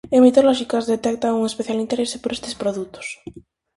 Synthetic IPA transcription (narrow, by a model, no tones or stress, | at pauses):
emit̪olɔʃikazðet̪ɛk̚t̪aŋuŋespeθjalint̪eɾese̥poɾest̪e̥spɾoðut̪o̥s